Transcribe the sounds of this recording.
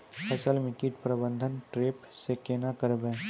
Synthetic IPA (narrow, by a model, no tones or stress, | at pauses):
ɐsəlmɪ̃kɪʈpɾəbə̃nd̪ʱənʈɾeːpsekeːnakəɾbẽː